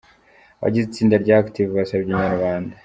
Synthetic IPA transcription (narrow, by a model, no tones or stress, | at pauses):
wa̰ɟizit͡siːndaɾɟaːktivβasabɟiɲaɾwaːnda